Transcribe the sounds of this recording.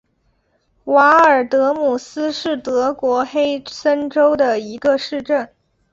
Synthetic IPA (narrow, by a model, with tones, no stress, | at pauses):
wa˧˥ə˞˨˩t̪ɤ˧˥mu˨˩sɹ̩˥ʂɻ̩˥˩t̪ɤ˧˥kwɔ˧˥xe˥ɪsə˥nʈ͡ʂo˥ʊd̪ə˨i˧˥ɡə˧ʂɻ̩˥˧ʈ͡ʂə˥˩n